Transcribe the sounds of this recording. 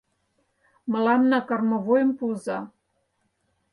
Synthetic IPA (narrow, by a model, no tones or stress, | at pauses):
mɤ̆lɑmnɑkɑrmɤ̆vojə̆mpuzɑ